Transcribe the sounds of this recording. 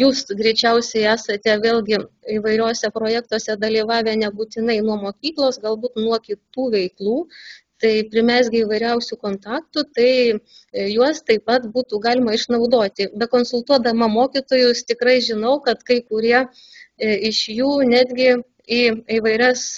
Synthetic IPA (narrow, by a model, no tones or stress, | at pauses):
juːsɡɾʲɛɪt͡ʃʲɛʊsʲɛɪæːsɐt̪ʲɛʋʲeːlʲˠɡʲɪiːʋɐɪɾʲoːsʲɛpɾoːjæːk̚t̪uɔsʲɛd̪ɐlʲiːʋɑːʋʲɛːnʲɛbuːt̪ʲɪnɐɪnuɔmoːkʲiːklˠoːsɡɐlˠbuːt̪nuɔkʲɪt̪uːʋʲɛɪklˠuːt̪ɐɪpʲɾʲɪmʲæsʲɡʲɪiːʋɐɪɾʲɛʊsʲʊkoːnt̪ɑːkt̪ʊt̪ɐɪ | juɔst̪ɐɪpɐt̪buːt̪uːɡɑːlʲɪmɐɪʃnɐʊd̪oːt̪ʲɪbʲɛkoːnsʊlˠt̪uɔd̪ɐmɐmoːkʲiːt̪oːjʊst̪ʲɪkɾɐɪʒʲɪnɐʊkɐt̪kɐɪkʊɾʲiɛ | ɪʃjuːnʲæːd̪ʲɡʲɪ | iiːʋɐɪɾʲɛs